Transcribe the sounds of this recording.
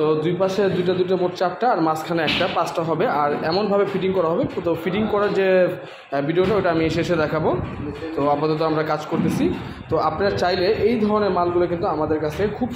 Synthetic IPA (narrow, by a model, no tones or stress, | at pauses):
t̪od̪ujpaʃed̪ujʈ̬ad̪ujʈ̬amoʈt͡ɕap̚ʈaːɾmaskʰanaɛkʈapasʈaɦɔbeaɾɛmonbʱabefiʈiŋkɔɾaɦɔbepot̪ʰofiʈiŋkɔɾaɾd͡ʑe | biɖioʈaojʈaamieʃeeʃed̪ɛkʰabot̪oapat̪ot̪̬oamɾakad͡ʑkoɾt̪et͡ɕʰi | t̪oapnaɾaɾt͡ɕajleʔejd̪ʱɔɾoneɾmalɡulokint̪uamad̪eɾkat͡ɕʰekʰub